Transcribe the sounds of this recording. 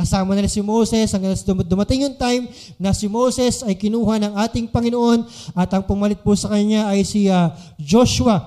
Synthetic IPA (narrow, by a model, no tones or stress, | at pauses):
kɐsaːmɐnɪlasɪmo̞wsɛsɐŋɡɐnasɐd̪md̪ʊmɐt̪ɪŋjʊŋt̪ajm | nɐsɪmo̞wsɛsɐjkɪnuːhɐnɐŋaːt̪ɪŋpɐŋɪnoʔo̞nɐt̪ʔɐŋpʊmɐlɪt̪̚pʊsɐkɐɲaʔɐjsiɐ | d͡ʒo̞ʃʊwɐ